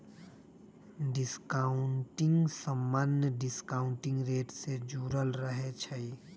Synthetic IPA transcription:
ɖɪskaʊɳʈɪ̃ŋɡsəmːanjəɖɪskaːʊɳʈɪ̃ŋɡɾeːʈsed͡ʒuːɾəlɾəɦet͡ʃʰəi

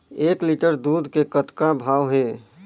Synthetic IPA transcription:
eːkliʈəɾd̪uːd̪kekət̪kabʱaːʋɦeː

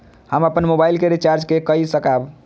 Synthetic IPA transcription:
həməpənmobajlkeɾit͡ʃaɾd͡ʒkekəisəkab

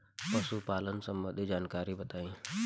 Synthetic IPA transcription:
pɐsupaːlənsə̃mbə̃nd̪ʱid͡ʒaːnkaːɾibɐt̪aːĩː

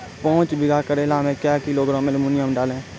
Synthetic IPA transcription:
pɔ̃ːt͡ʃbɪɡaːkəɾelãːmẽːkjaːkɪloːɡɾõːmelmʊnɪjəmɖaːlẽː

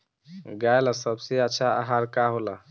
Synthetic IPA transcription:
ɡaelasəbseətːʃʰaa̰ɦaɾkaɦola

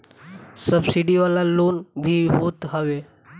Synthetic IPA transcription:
səbsiɖiʋalaloːnbʱiɦoːt̪ɦəʋe

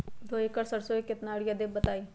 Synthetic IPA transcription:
d̪oːikəɾsəɽsoekɪt̪naːɽjad̪eːbət̪aːiː

